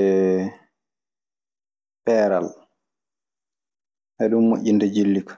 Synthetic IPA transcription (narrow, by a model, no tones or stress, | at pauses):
ɛ | pɛːɾa̰l | ʔɛɗummo̰ʔʲːindɛd͡ʒilːikḁ